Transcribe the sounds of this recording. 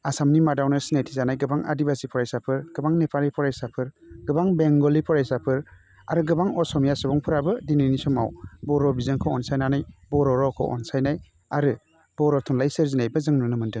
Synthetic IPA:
asamnimadawnɯsinajtʰizanajɡɯbaŋa̰dibasipʰɔɾajsapʰɯɾɡ̥ɯbaŋnepʰaɾipʰɔɾajsapʰɯɾɡɯbaŋbeŋɡɔlipʰɔɾajsapʰɯɾ | a̰ɾɯɡɯbaŋɔsɔmijasɔbɔŋpʰɯɾabɯdininisɔmawbɔɾɔbizɯnkʰɔɔnsajnanajbɔɾɔɾɔkʰɔ̰ʔɔ̰nsajnaj | aɾɯ | b̥ɔɾɔtʰɔŋlajsɯɾzinajbɯzɯŋnunɯmɯndɯn

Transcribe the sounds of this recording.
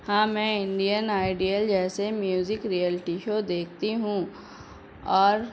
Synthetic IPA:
hãːmɛ̃ːɪ̃ɳɖijənaːɪɖijəld͡ʒɛːsemjuːzɪkɾijəlɪʈiʃoːd̪eːk̚ʰt̪iɦũ | ɔːɾ

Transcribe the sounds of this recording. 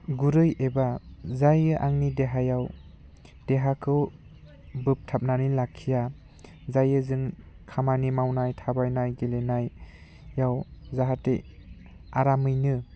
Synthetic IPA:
ɡuɾɯjebazajɯʔaŋnideɦajaw | d̥eɦakʰɯw | bɯp̚tʰap̚nanilakʰija | zajɯzɯŋ | kʰamanimawnajtʰabajnajɡelenajː | awzaɦate | a̰ɾamɯjnɯ

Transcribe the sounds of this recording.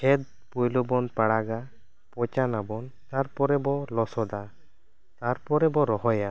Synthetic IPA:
kʰɛd̪̚ | pɔjlɔbɔnpaɽaɡa | pɔt͡ʃanabɔnt̪aɾpɔɾɛbɔlɔsɔd̪a | t̪aɾpɔɾɛbɔɾɔɦɔja

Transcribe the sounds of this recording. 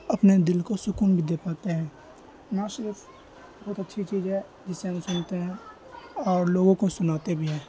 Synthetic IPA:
ɐpned̪ɪlkosʊkuːnbʱid̪eːpaːt̪eɦɛ̃ː | nãːʃɪɾɪf | bɔːt̪ətːt͡ʃʰit͡ʃiːzɦɛ | d͡ʒɪsːeɦɐ̃msʊnt̪eɦɛ̃ | ɔːɾloːɡõkosʊnaːt̪ebʱiɦɛ̃ː

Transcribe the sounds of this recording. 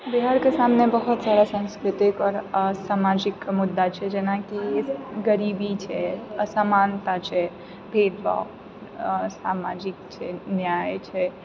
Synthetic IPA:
biɦaɾkesamnebəɦut̪saɾasə̃nskɾɪt̪ikɔɾsamad͡ʒikmud̪ːat͡ʃʰɛd͡ʒenakieɡəɾibit͡ʃʰɛəsamant̪at͡ʃʰɛ | bʱed̪ba̰ | samad͡ʒik̚t͡ʃʰɛnjajt͡ʃʰɛ

